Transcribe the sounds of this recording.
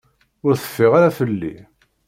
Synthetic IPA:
ʊɾθə̥fːɪʁaɾafəlːḭ

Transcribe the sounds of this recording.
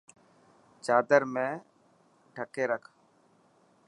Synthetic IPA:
t͡ʃaːd̪əɾmẽː | ʈʰəkeːɾəkʰ

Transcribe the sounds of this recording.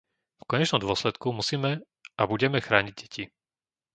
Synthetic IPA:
fkɔɲɛt͡ʃnɔmd̪ʊɔslɛt̪kumusiːmɛ | abuɟɛmɛxɾaːɲiɟɟɛci

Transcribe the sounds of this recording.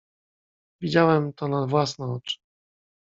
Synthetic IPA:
vʲid͡ʑawɛmt̪ɔnavwasnɔ̃ɔt͡ʂ

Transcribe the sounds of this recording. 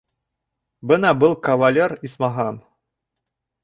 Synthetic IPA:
bɤnɑbɤlˠkɐvalʲeɾismɑɦɑn

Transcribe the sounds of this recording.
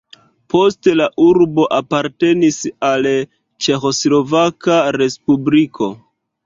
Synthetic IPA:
po̞ste̞laʔuɾbo̞ʔapaɾte̞nisal | t͡ʃe̞xo̞slo̞vakaɾe̞spublikʰo̞̰

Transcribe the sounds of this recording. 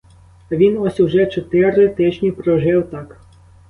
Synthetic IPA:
ʋʲinɔsʲuwʒɛt͡ʃɔt̪ɪɾɪt̪ɪt͡ʃnʲipɾɔʒɪwt̪ɑk

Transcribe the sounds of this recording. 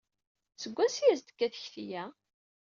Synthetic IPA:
t͡səɡʷːæsjæzt̪ə̥kːæθəçθijæ

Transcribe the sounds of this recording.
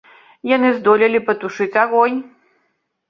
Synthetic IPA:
janɨzd̪ɔlʲɐlʲipɐt̪uʂɨt͡sʲaɣɔj

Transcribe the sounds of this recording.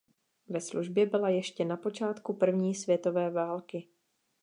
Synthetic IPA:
vɛsluʒbjɛbɪlajɛʃcɛnapo̞t͡ʃaːt̪kupr̩vɲiːsvjɛt̪o̞vɛːvaːlkɪ

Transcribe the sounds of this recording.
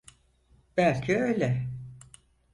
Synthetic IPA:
b̥ælʲcʰiøjlʲɛ

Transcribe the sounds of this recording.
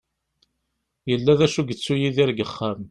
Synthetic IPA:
jəlːæðæʃuɡət͡sːujiðɪɾɡəχːam

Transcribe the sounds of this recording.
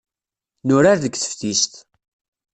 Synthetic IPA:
nʊɾaɾðəɡθə̥fθist̪

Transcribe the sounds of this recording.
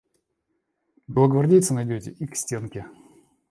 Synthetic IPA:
blˠəɡvɐrdʲejt̪sənɐjdʲotʲɪ̰ʔiksʲtʲe̞nkʲɪ

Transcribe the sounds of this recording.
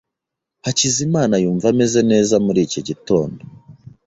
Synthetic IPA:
hacizimaːnajuːɱvame̞ze̞ne̞ːzamuɾiːcoɟito̞ːndo

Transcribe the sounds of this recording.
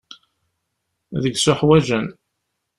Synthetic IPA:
ðəɡsʊħwæʒən

